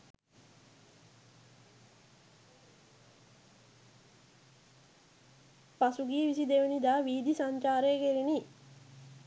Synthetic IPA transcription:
pasuɡiːʋisid̪eʋenid̪aːʋiːd̪isaɲt͡ʃaːɾeːkeɾini

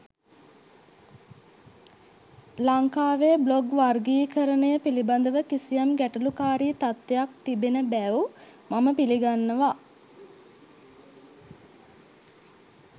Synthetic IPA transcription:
laŋkaːʋebloɡʋarɡiːkəɾənəjəpiliband̪əʋəkisijamɡæʈulukaːɾiːt̪at̪ːejak̚t̪ibenəbæumaməpiliɡanːəʋa

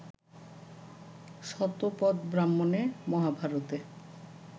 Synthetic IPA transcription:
ʃɔt̪opɔd̪bɾamːonemɔɦabʱaɾot̪e

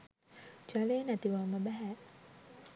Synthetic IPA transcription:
d͡ʒaleːnæt̪iʋamːəbæɦæ

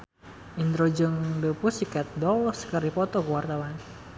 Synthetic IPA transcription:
ʔind̪ɾod͡ʒəŋbəpusikɛt̪̚dɔlskərɾipɔt̪ɔkuwart̪awan

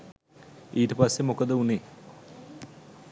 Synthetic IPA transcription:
iːʈəpasːemokəd̪əuneː

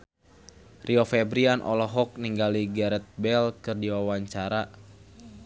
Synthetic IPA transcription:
rʔiɔfɛbɾianʔɔ̰lɔɦɔk̚niŋɡaliɡɛɾɛt̪̚bɛlkɨrdiwawaɲt͡ʃaɾa

